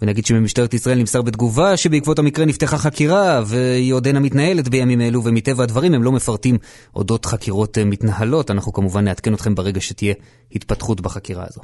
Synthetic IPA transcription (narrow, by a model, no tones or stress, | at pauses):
venaɡid̪ʃemimiʃtaetisʁaelnimsaʁbet̪ɡuvaʃebeikvo̞thamikʁenifteχaχakiʁave̞iodenamitnaje̞letbe̞jamime̞luvemit̪e̞vaːdvaʁimhemlo̞mefaʁtim | ʔo̞̰do̞tχakiʁo̞tmit̪nahalo̞tanaχnukamuvanːeatke̞no̞t̪χe̞mbeʁe̞ɡaʃetije̞ | hit̪patχutbaχakiʁa̰a̰zo̞